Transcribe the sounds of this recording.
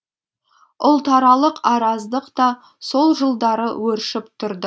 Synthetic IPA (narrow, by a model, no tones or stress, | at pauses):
ʊlˠt̪ɑɾɑlˠəqɑɾɑzd̪əqt̪ɑ | so̞lˠʒəlˠd̪ɑɾə̰wɵɾʃɪpt̪ʰʊɾd̪ə